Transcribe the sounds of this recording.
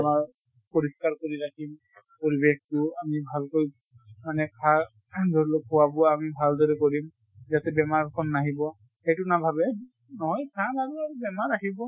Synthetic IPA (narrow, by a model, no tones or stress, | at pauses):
amaɹ | poɹiskaɹkoɹiɹakʰim | poɹibektʊamibʱalkoj | manɛkʰa | dʱɔɹlokhʊwabʊamibʱaldɔɹɛkoɹim | zatɛbɛmaɹkʰɔnːaɦibɔ | xejtʊnabʱabɛ | nɔɦɔjkʰanaɹuabɛmaɹaɦibɔ